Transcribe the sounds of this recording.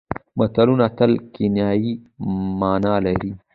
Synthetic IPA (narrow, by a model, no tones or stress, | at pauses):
mɐt̪ɐlunɐt̪ɐlkinjaːimaːnaːlɐɾi